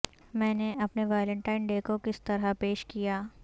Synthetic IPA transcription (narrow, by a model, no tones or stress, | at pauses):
mɛ̃ːneʔɐpneʋaːlə̃ɳʈaːɪnɖeːkokɪst̪ɐɾapeːʃkijaː